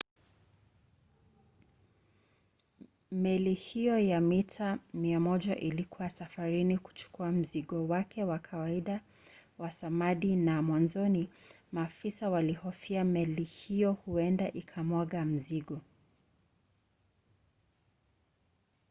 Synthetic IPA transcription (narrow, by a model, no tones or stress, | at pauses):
mɛlihijɔjamitʰamiamɔʄaʔilikuwasafaɾiniku̥t͡ʃu̥kuam̩ziɠɔwakʰɛwakʰawaiɗa | wasamaɗinamwanzɔni | maːfisawalihɔfiamɛlihijɔhuɛndaʔikʰamwɔɠam̩ziɠɔ